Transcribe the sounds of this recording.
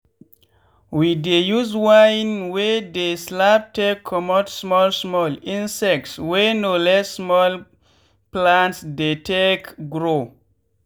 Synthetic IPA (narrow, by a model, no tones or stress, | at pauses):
widejuzwajnwɛdeslap̚tekʰːɔmɔtsmɔlsmɔlĩnsɛk̚tswɛnolɛsːmɔl | plãntsdetʰekɡɾo